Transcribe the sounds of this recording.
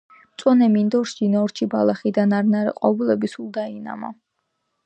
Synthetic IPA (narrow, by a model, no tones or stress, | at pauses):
t̪sʼɔnɛmind̪ɔɾʃd͡ʒinɔɾt͡ʃʰibalˠaχid̪anaɾnaɾɛ̰qʼɔvulɛbisulˠd̪aina̰mɔ